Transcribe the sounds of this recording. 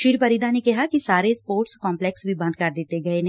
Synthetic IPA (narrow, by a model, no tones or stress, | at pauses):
ʃiːɾpəɾiːd̪aːneːkɪɦaːkisaːɾeːspoːɾʈskɔ̃ːmplɛːksʋiːbə̃nd̪̚kəɾd̪ɪt̪ːeːɡəeːn